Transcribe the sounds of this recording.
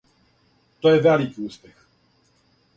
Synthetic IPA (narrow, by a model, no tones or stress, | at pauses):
t̪ojɛvʲalikʲiuspʲɛx